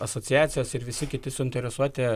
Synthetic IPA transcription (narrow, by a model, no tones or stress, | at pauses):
ɐsoːt͡s̪ʲɪjæːt̪sʲɪjoːsɪɾʋʲɪsʲɪkʲɪt̪ʲɪsʊɪnʲt̪ʲɛɾʲɛsuɔt̪ʲɛ